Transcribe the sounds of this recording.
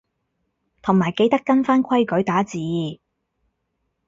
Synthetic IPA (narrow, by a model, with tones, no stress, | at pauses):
t̪ʰʊ˨˩ŋmaː˨˩jke˧˥jt̪ɐ˥kːɐ˥nfaː˥nkʷʰɐ˥jkɵ˨˥ɥt̪aː˨˥t͡siː˨jiː˧˩